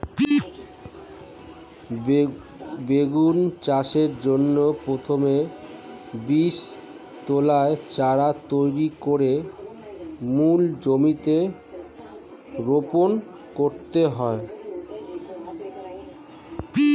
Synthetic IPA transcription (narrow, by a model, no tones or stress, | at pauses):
beɡunt͡ɕaʃeɾd͡ʑonːopɾot̪ʰome | biʃ | t̪olaet͡ɕaɾat̪ojɾikoɾe | muld͡ʑomit̪e | ɾopon | koɾt̪eɦɔe